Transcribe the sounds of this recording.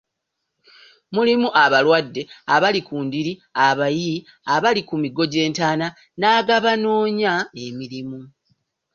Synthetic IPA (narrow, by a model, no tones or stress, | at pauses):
mulimuʔaβalwadːe̞aβalikuːndiɾiaβajii | aβalikumiɡo̞ɟe̞ːntaːna | naːɡaβano̞ːɲae̞miɾimu